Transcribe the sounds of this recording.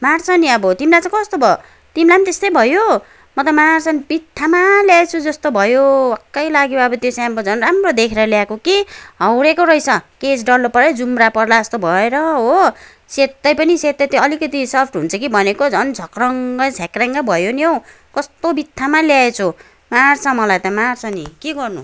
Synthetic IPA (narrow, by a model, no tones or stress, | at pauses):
mart͡sʰʌniʌbʌt̪imlat͡sãkʌst̪obʱʌjo | t̪imlanit̪est̪ʌjbʱʌjo | mʌt̪ʌmart͡sʰʌnbit̪ʰːamaljaet͡sʰud͡zʌst̪obʱʌjowakːʌjlaɡjoʌbʌt̪josambʌd͡zʱʌnramrod̪ekʰeɾʌljakokiɦʌwɾekoɾʌjsʰʌkesɖʌlːopʌɾed͡zumrapʌrlad͡zʌst̪obʱʌeɾʌɦo | set̪ːʌjpʌniset̪ːʌt̪ʌlikʌt̪isʌrp̚ʰʈʰɦunt͡sʰʌkibʱʌnekod͡zʱʌnd͡zʱʌkrʌŋɡʌd͡zʰʱakraŋɡʌbʱʌjoniʌw | kʌst̪obit̪ʰːamaljaet͡sʰu | mart͡sʰʌmʌlajt̪ʌmart͡sʰʌnikeɡʌrnṵ